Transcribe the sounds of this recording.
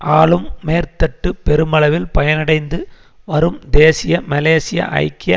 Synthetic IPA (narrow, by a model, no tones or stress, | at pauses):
ʔaːɭɯmːeːɾt̪ɐʈːɯpɛɾɯmɐɭɐʋɪlpɐjɐnɐɽɐɪnd̪ɯ | ʋɐɾɯmd̪eːsɪjɐmɐleːsɪjɐ̰ʔɐ̰ɪkːɪjɐ